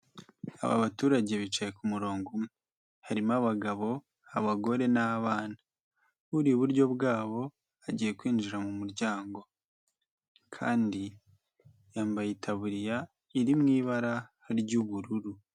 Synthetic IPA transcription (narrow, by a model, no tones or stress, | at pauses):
a̰βa̰βatuːɾaɟe̞βit͡ʃaje̞kumuɾo̞ːŋɡume | haɾimaβaɡaβo̞ | aβaɡo̞ɾe̞naβaːna | βuɾiuβuɾɟo̞bɡaːβo̞ | aɟije̞kwiːnd͡ʒiɾamumuɾɟaːŋɡo̞ | kʰa̰ːndi | jaːmbajitʰaβuɾija | iɾimŋiːβaɾa | ɾɟuβuɾuɾu